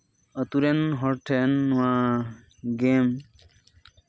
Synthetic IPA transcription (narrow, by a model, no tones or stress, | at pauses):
ət̪uɾenɦɔɾʈʰenːã | ɡem